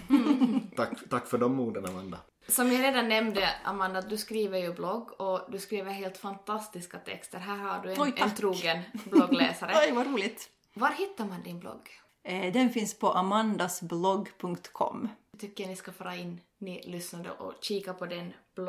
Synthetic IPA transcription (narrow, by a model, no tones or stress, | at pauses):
akːt̪ʰakːfœɖɔmːuːd̪ənamand̪a̰ | sɔmjaɾeːd̪anːɛmd̪əa̰mand̪at̪̚d̪ɵskɾiːvəɾjɵblɔɡɔd̪ɵskɾiːvəɾɦeːlt̪fant̪ʰast̪ɪskat̪ʰɛ̰kst̪əɾɦæːɾhaɖʉɛɔt̪ʰɾuːɡənblɔɡlɛ̰ːsaɾəɔjvaɾuːlɪt̪ | vaɾhɪt̪ːaɾmand̪ɪnblɔ̰ɡ | d̪ɛnfɪnspʰɔʔamand̪asblɔɡpʰɵŋkt̪kʰɔ̰mt̪ʰʏkːənɪskafœːɾaɪnː | nɪlʏsnad̪ə̰ʔɔ̰ɕiːkapʰɔd̪ɛnb̥l